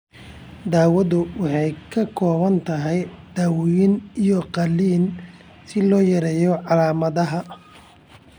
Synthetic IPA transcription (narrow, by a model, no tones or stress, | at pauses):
d̪aːwɐðʊwɑħɑjkʰɐkʰɔːβɐnt̪ʰɐɦɛjd̪̥aːwɪjɪnijɔqɑlːiːn | sɪlɔːjɐɾɛːjɔʕɑlaːmɐðɐɦɐ